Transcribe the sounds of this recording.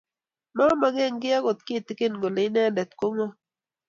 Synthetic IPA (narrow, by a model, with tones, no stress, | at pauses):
ma˦ma˨ɡɛ˦˨ŋɡɪ˦a˦ɡo˨t̪̚kɪ˦˨t̪ɪ˦ke˦n˨ɡo˨le˨˦nɛ˦˨dɛ˨t̪ko˦ŋɔ˦